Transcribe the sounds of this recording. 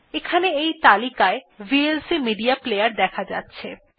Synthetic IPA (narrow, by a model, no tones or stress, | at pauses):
ekʰaneejt̪alikaebielsimiɖiaplejaɾd̪ɛkʰad͡ʑa̰tːɕʰe